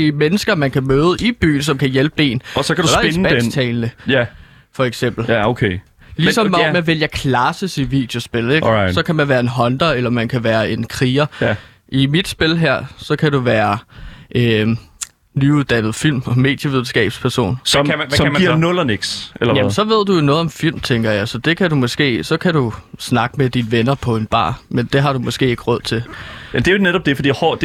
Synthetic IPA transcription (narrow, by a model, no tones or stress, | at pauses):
imenəsɡ̥ɐmænkʰæmøːðˠəʔib̥y̰ːn̩sɒ̽mkʰæjelb̥əb̥e̝̰ːnɒsɒkʰædusɒ̥esndnst͡sʰɛːlnəj | fɒ̽eɡ̥sem̰b̥l̩okʰe | lisɒ̽mɒmeʋeljɐkʰlæsəsid̥ʋid̥jo̝sb̥e̝leɡ̥sɒ̽kʰæmænʋæːɐe̝nɦɒ̽nd̥ɐelɐmænkʰæʋæːɐe̝nkʰʁiːɐ | ʔimid̥sb̥e̝lɦæɐ̰sɒ̽kʰæduʋæːɐʔø | nyuðˠd̥ænð̞̩ˠfil̰mɒme̝̰ːd̥jəʋiðˠn̩sɡ̥ɛ̰ːb̥spʰæɐso̝̰ːnsɒmsɒ̥̽iɐ̰nɔlɐneɡ̥selɐjæmənsɒ̽ʋe̝ð̞̰ˠd̥ujonɔːðˠɒ̽mfil̰mt͡sʰeŋɡ̥ɐjɑ̈ɪsɒ̽d̥e̝kʰæɾumɔ̽sɡ̥e̝̰ːsɒ̽kʰædusnɑ̈ɡ̥əmed̥inʋenɐpʰɒ̽e̝nb̥ɑ̰̈ːmend̥e̝ɦɑ̈ɾ̥umɒ̽sɡ̥e̝̰ːe̝ɡ̥əʁɔð̰ˠt͡sʰe̝læd̥eneɾɒ̽b̥̚d̥e̝fɒd̥ḭhɔd̥